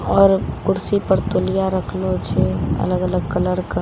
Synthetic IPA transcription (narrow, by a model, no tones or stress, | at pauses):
ɔːɾkʊɾsipəɾt̪olijaɾəkʰlot͡ʃʰɛə̰ləɡələɡ̚kələɾkə